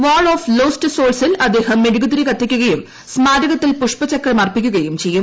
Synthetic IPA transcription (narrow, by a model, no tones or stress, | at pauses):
ʋaːɭoːfloːstɨsoːlsilɐd̪ːe̞ːhɐmːeɾuɡud̪ɾikɐt̪ːikʲːuɣɐjum | smaːɾɐɣɐt̪ːilpuʂpɐt͡ɕɐkːɐɭmɐrpikʲːuɣɐjumt͡ɕe̞jːum